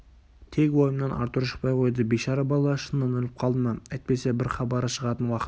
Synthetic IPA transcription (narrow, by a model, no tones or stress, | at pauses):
t̪ʰe̞kʲwo̞jəmnɑnʔɑ̰ɾt̪əɾʃə̥q̚pɑjqʰo̞jd̪əbeʃɑɾəbɑlˠɑɑʃənːɑnɵlɪp̚qʰɑlˠd̪əmɑæjt̪̚pe̞se̞bɪɾχɑbɑɾəʃəʁɑt̪ənwɑqə